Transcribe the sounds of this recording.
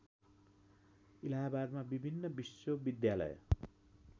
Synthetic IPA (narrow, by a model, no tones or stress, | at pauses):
ilaɦabad̪mabibʱinːʌbisobid̪jalʌ̰j